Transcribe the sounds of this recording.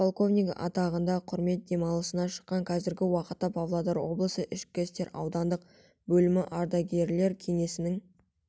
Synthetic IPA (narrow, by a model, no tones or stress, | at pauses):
pʰolˠko̞vnʲijkʔɑ̰t̪ɑʁənd̪ɑqʰʊɾme̞t̪̚d̪e̞mɑlˠəsənɑʃə̥qːɑŋqʰɑzɪɾɡʲɪwɑqət̪ːɑpʰɑvlˠad̪ɑɾwo̞̰blˠəsəʔɪʃkʲːest̪e̞ɾɑ̰wd̪ɑnd̪əq̚ | bɵlɪmɪʔɑɾd̪ɑɡʲe̞ɾle̞ɾkʲʰe̞ŋe̞sɪnɪŋ